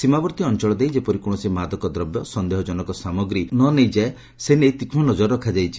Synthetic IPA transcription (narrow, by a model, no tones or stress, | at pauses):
simabɔɾt̪iɔnt͡ʃɔɭɔd̪ejd͡ʒepɔɾikoɽ̃ɔsimad̪ɔkɔd̪ɾɔbjɔsɔnd̪eɦɔd͡ʒɔnɔkɔsamɔɡɾinɔnejd͡ʒae | senejt̪ikʰmɔnɔd͡ʒɔɾɔkʰad͡ʒajt͡ʃʰi̥